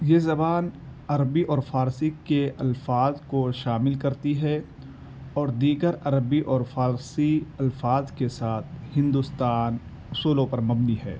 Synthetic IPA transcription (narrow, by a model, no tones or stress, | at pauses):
jeːzɐbaːnɐɾəbiʔɔːɾfaːɾsikeʔɐlfaːzkoʃaːmɪlkɐɾt̪iɦɛ | ɔːɾd̪iːɡəɾɐɾəbiʔɔːɾfaːɾsiɐlfaːzkesaːt̪̚ʰhɪ̃nd̪ʊst̪aːn | ʊsuːlõpɐɾmɐbniɦɛ̰ː